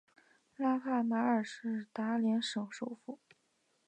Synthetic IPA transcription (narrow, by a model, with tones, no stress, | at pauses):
la˥kʰa˥˩ma˧˥ə˞˨˩ʂɻ̩˥˩t̪a˧˥ljɛ˧˥nʂɤ˨˩ŋʂo˨˥˩ʊfu˥˩˦